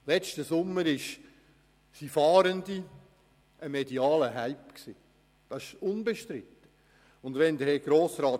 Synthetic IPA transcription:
lɛt͡ʃtəsʊmːəɾɪʃ | sifɑːɾəndi | əmediɑːləɦæɪpksiː | d̥ɑɪʃʊnbeʃtɾɪt̪ːə | ʊndʋɛnd̪əɾhɛɡ̥ɾoːsɾɑːt

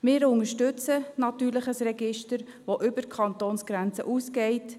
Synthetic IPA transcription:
mɪːɾʊŋəʃtʏt͡sənɑtyːɾləχəsrɛɡɪʃtəɾ | ʋoʔʏbəkʰχɑnt̪oːnsɡ̥ɾɛnt͡sə̰ʔuːsɡɛɪt

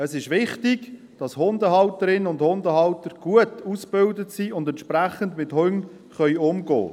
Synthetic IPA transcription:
əsɪʃʋɪχtɪɡ | d̥ɑshʊndəhɑʊtəɾɪnənʊndhʊndəɦɑʊtəɾɡ̥uətusb̥ɪldətsiːʊndɛnʃpɾæχəndmɪthʊŋ | χœʏʊmɡɔ̰ː

